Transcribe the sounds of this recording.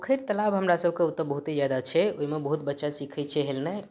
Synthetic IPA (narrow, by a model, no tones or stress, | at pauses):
kʰiɾt̪əlabɦəmɾasəbʱkeut̪ːəbəɦut̪ed͡ʒad̪at͡ʃʰɛoimebəɦut̪̚bətːʃasikʰɛt͡ʃʰɛɦelnɛj